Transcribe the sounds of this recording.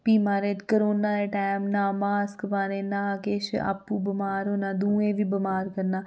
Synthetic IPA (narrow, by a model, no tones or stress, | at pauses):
piːmaːɾeːkəɾoːnaːɾeːʈaːmnaːmaːskbaːnẽːnãːkeːʃa̰ːpːũːbɪmaːɾɦoːnaːd̪uːẽːʋiːbɪmaːɾkəɾnaː